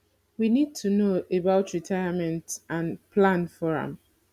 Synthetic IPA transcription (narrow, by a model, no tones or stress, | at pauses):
winid̚tʰunoʔebaʊtɹitʰajamɛ̃ntʔãnpʰlãnfɔɹã̰m